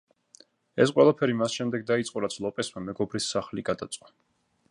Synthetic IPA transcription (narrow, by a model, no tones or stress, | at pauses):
ɛs̬qʼwɛlˠapʰɛɾimasʃɛmd̪ɛɡ̚d̪ait̪sʼqʼɔɾat̪sʰlˠɔpʼɛsmamɛɡɔbɾisːaχliɡad̪at̪sʼqʼɔ̥